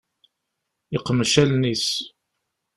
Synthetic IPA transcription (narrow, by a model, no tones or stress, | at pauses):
iqːəmʃælnis